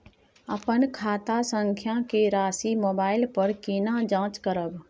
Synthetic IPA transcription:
əpənkʰaːt̪asə̃ŋkʰjãkeɾaːsimoːbaːɪlpəɾkiːnad͡ʒãːt͡ʃkəɾəb

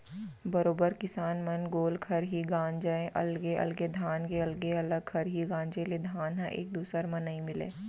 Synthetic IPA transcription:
bɐɾoːbəɾkɪsaːnmɐnɡoːlkʰɐɾɦiɡãːɲd͡ʒaẽʔɐ̰lɡeʔɐ̰lɡed̪ʱaːnɡeɐlɡeɐləɡ̚kʰɐɾɦiɡãːɲd͡ʒeled̪ʱaːnɦãʔḛːk̚d̪uːsəɾmɐnɐĩmɪlḛ̃ː

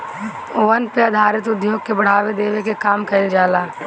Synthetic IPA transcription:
ʋɐnpeɐd̪ʱaːɾɪt̪ʊd̪joːɡ̚kebɐɽ̤aːʋed̪eːʋekekaːmkɐɪld͡ʒaːlaː

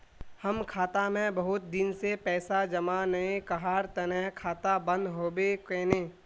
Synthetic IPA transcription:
hɐmkʰaːt̪amẽbəɦʊt̪̚d̪ɪnsepɛːsad͡ʒɐmanɐẽkɐɦaːɾt̪ɐnɛɦkʰaːt̪abə̃nd̪ɦoːbekeːneː

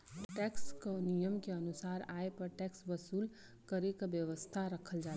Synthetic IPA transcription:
ʈɛkskonijəmkeənusaːɾaepəɾʈɛksbəsuːl | kəɾekabjəʋəst̪ʰaɾəkʰəld͡ʒaː

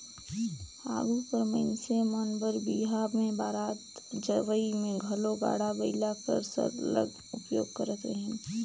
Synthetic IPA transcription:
a̰ːɡupəɾmə̰nsemənbəɾbiːɦabmẽbaːɾaːt̪d͡ʒəʋəimẽɡʱɐloɡa̰ːɽabɐɪlakə̰ɾsɐ̰ɾlə̰ɡ | ʊpjo̰ːɡ̚kɐɾət̪əɦẽː

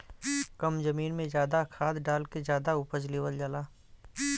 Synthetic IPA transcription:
kəmzɐmiːnmẽzjaːd̪akʰaːd̪ɖaːlkezjaːd̪aʊpət͡ʃleːʋəld͡ʒalaː

